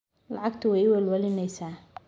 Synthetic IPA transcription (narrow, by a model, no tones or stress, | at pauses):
lɑʕɑɡt̪ʰʊwɛjwɛlwɐlɪnɛjsaː